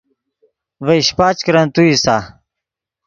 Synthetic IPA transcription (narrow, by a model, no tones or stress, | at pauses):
vɐiɕpaːt͡ɕkɾɐnt̪uisa